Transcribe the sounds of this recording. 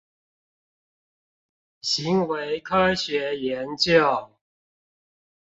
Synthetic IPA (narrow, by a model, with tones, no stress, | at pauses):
ɕi˨˦ŋwe˧˦ɪkʰɤ˥ɕɥɛ˨˧˥jɛ˧˦nt͡ɕjɑ˥˩ʊ